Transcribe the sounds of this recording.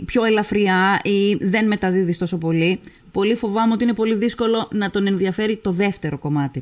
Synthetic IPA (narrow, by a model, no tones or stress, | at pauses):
pço̞elɐfɾiɐiðe̞nme̞t̪ɐðiðist̪o̞so̞po̞li | po̞lifo̞vɐmeot̪iine̞po̞liðisko̞lo̞nɐt̪o̞ne̞nðiɐfe̞ɾit̪o̞ðe̞ft̪e̞ɾo̞ko̞mɐt̪i